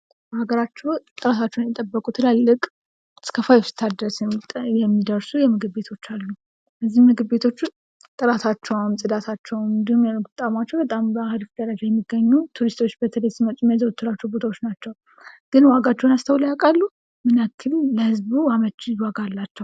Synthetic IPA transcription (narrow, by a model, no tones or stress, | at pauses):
bhaɡəɾat͡ʃːɛwt̪ʼɨɾat̪ʰat͡ʃːɛwnɛt̪ʼəbːəkʼut̪ʰɨlalːɨkʼ | skʰəfajɛfsɨ̥t̪ʰad̪ɾəsjɛmːid̪əɾsujɛmɨɡɨbbe̞t̪ʰo̞t͡ʃːalːu | bəzːihmɨɡɨbbe̞t̪ʰo̞t͡ʃː | t̪ʼɨɾat̪ʰat͡ʃːɛwmsʼɨd̪at̪ʰat͡ʃːɛwɨnd̪ihumjɛɡt̪ʼamat͡ʃːɛwbət̪ʼambəahɨlfd̪əɾəd͡ʒajɛmːiɡːəɲːut̪ʰuɾist̪ʰo̞t͡ʃːbət̪ʰələsimətʼumjɛzəwt̪ʰːuɾat͡ʃːɛwbo̞t̪ʰawo̞t͡ʃːnat͡ʃːɛw | ɡ̥ɨnwaɡat͡ʃːɛwnast̪ʰəwlajakʼalːu | mɨnakʰːɨlləhɨzbuamət͡ʃːwaɡalːat͡ʃːɛw